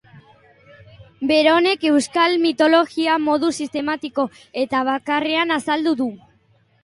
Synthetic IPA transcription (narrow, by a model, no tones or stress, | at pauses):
be̞ɾo̞ne̞ke̞wskalmit̪o̞lo̞ɣiamo̞ðusist̪e̞mat̪iko̞ | e̞t̪aβ̞akare̞anasald̪uðu